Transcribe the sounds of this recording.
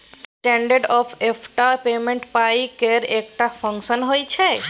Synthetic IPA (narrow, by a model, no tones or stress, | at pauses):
sʈeɳɖəɾɖɔfʰefʰʈaɾpemẽɳʈpajkeɾek̚ʈafʰəŋkʃənɦojt͡ʃʰe